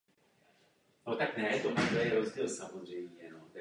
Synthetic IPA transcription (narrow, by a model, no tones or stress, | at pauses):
not̪aknɛt̪omad̪lɛjɛɾozɟiːlsamozr̝ɛjmɲɛnot̪ɛ